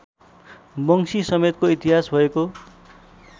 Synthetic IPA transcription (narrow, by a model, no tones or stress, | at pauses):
bʌŋsisʌmet̪̚koit̪iɦasbʱʌeko